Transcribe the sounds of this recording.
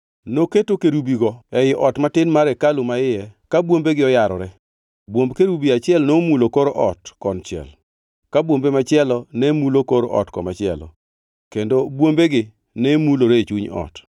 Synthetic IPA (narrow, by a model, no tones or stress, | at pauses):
noketokeɾubiɡɔɛjɪʔɔtmatɪnmaɾɛkalʊmaɪjɛkabwombeɡɪɔjaɾɔɾɛ | bwombkeɾubiat͡ʃɪɛlnomulokoɾoʔɔtkɔnt͡ʃɪɛ̰l | kabwombemat͡ʃɪɛlɔnɛmulokoɾoʔɔ̰tkɔ̰mat͡ʃɪɛ̰lɔ̰ | kendobwombeɡɪ | nɛmuloɾet͡ʃuɲɔ̰t